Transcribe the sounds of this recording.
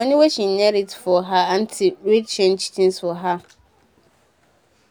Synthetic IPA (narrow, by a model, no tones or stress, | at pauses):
ɔnɪ̃weɕĩnɛɾitfɔɦaan̩tʰɪɾet͡ɕʰɛ̃nt͡ɕʰi̥tʰĩnsɔɦa